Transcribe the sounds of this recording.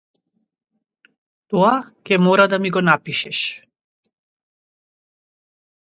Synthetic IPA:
t̪ɔakʲɛmɔɾad̪amiɡɔnapiʃɛʃ

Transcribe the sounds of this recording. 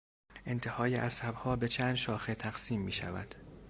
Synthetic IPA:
ʔe̞nt̪ʰe̞hɒːjeʔæsæbhɒːbe̞t͡ʃʰænd̪ʃɒːxet̪ʰæɣ̥siːmːiːʃæ̰væ̰d̪̥

